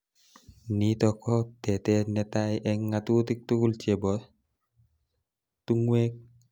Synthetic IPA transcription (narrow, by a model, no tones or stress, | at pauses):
nitɔkːɔtɛtɛnɛtajʔɛŋːatutik̚tukult͡ʃebɔ | tuŋwek̚